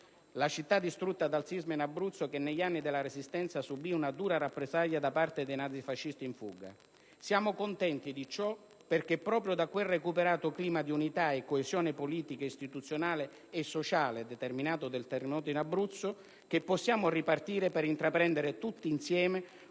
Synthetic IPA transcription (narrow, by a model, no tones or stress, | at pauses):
lat͡ʃit̪ːad̪ːist̪ɾut̪ːad̪alt̪sizmainabɾut̪sːokenːeʎːanːid̪elːaɾesist̪ɛnt̪sasubiunad̪uːɾaɾapːɾezaʎːad̪apart̪ed̪ejnad̪sifaʃːist̪iːɱfṵːɡa̰ | sjaːmʊkont̪ɛnt̪id̪it͡ʃɔ | perk̟epːɾɔːpɾjʊd̪akwerːekupeɾaːt̪ʊkliːmad̪iunit̪aekːoezjɔːnɪpoliːt̪ikeist̪it̪ut̪sːjonaːlɪː | sːot͡ʃaːled̪ɛt̪erminaːt̪ʊd̪elt̪erːemɔːt̪oinabɾut̪sːʊ | k̟epːɔsːjaːmʊripart̪iːɾepeɾint̪ɾapɾɛnd̪eɾɪt̪ut̪ːiːnsjɛːme